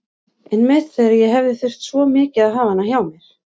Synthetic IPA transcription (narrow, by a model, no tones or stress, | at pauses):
ɛnmɛðθɛɾajɛɦɛvðɪθʏr̥t̪svɔmɪːcɪaðɦaːvanːaçjawmjɛɾ̥